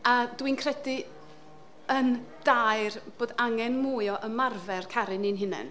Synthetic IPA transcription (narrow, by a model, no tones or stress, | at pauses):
adwinkʰr̥ɛdɨ | ənd̥ajrb̥oːdaŋɛnmuːjɔʔəmarvɛrkʰaɾɨnɪnɦɪnɛ̰n